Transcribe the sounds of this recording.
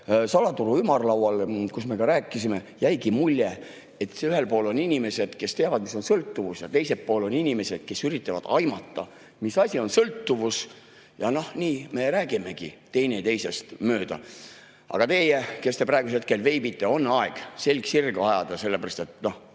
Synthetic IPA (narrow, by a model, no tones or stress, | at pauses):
sɑlɑt̪uɾuymɑrlɑwɑlkusme̞kɑɾæːkːˑisime̞jæjɡimulʲːe | et̪yhe̞lpo̞ːlo̞ninʲime̞se̞d̪̥ke̞st̪eɑvɑd̪̥̚miso̞nsɤlt̪ːuvusjɑt̪e̞jsepːo̞ːlo̞ninʲime̞se̞d̪̥ke̞syɾit̪ːˑɑvɑ̰d̪̥ɑjmɑt̪ːɑ | misɑsʲio̞nsɤlt̪ːuvus | jɑno̞hniːme̞ɾæːɡime̞ɡ̥it̪e̞jne̞t̪e̞jse̞st̪møːd̪ɑ̰ | ɑ̰ɡ̥ɑt̪e̞jeke̞st̪e̞prɑˑeɡuseht̪̚ke̞lve̞jbit̪ˑːe̞o̞nːɑeɡ̥se̞lʲɡsirɡɑjɑd̪̥ɑse̞lːepeɾɑst̪e̞t̪no̞h